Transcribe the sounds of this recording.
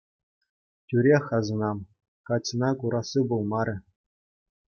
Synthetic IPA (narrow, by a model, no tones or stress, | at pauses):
tʲyɾʲexɑzɤ̆nɑm | kɑt͡sɤnɑkuɾʔɑsɯbulˠmɑɾʲɘ̆